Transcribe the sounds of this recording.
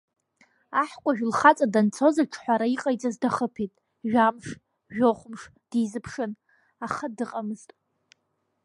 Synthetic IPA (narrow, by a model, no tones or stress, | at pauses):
aħkʷʼaʒᶣlχat͡sʼadant͡sʰo̞zaʈ͡ʂʰħʷaɾaiqʼajt͡sʼazdaχəpʰitʼ | ʒᶣamʂ | ʒᶣoχʷʊmʂ | d̥izɨpʰʂɨn | aχadɨqʼamɨz̥tʼ